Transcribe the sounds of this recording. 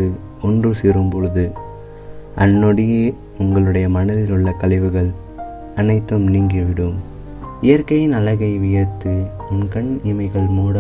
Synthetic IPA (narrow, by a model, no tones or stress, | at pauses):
ɯ | ɔndrɯsiɾɯmpɔɻɯðɯ | ʔɐnːɔɽɪjeː | ʊŋɡɐɭɯɽɐjɐmɐnɐðɪlɯɭːɐkɐlɪʋɯɣɐɭ | ɐnɐɪt̪ːɯmniːŋɡiʋɪɽɯm | ɪjɐɾkɐjɪnɐlɐɣɐɪʋɪjɐt̪ːɯ | ʊnkɐɳɪmɐɪɣɐɭmuːɽɐ